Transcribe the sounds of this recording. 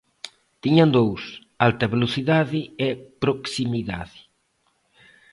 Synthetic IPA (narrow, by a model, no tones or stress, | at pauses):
t̪iɲand̪ows | alt̪ɐβeloθiðaðɪepɾoksimiða̰ðɪ